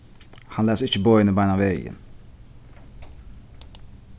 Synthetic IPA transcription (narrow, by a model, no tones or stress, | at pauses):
hanlɛːsɪt͡ʃːəbɔɪnəbaɪjnavɛːjə̰n